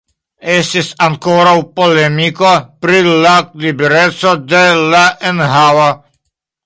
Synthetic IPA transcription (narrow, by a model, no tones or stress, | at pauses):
est̪isaŋkoɾawpolemikopɾilalibeɾesod̪elaʔenɦawa